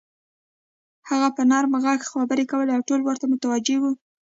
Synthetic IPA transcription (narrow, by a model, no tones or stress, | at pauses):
haɣapənɑɾməɣɑkxabəɾekawəleawʈolwəɾt̪amʊt̪awad͡ʒewu